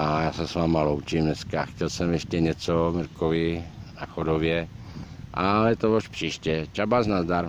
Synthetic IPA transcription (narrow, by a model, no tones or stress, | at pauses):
ʔajaːsɛsʋaːmalowt͡ʃimnɛskaxcɛlsɛmjɛʃcɛɲɛt͡somiɾkovɪnaxodovjɛ | ʔaɛt̪ooʃpr̥iːʃcɛt͡ʃabaznazd̪aɾ